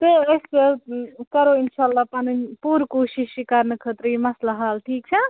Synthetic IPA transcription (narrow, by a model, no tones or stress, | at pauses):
t̪oesekɐɾoinʃaːlːapanipuːɾkoʃiʃːikaɾnɨkʰət̪ɾimɐslaɦaːlʈʰiːk̚t͡ʃʰɐ